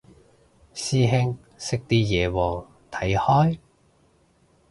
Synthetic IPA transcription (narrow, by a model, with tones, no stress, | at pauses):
siː˧ɦe˧ŋ | sɪ˧k̚t̪iː˧jɛː˨˩wɔː˨˩ŋ | t̪ʰɐ˨˥jhɔː˥j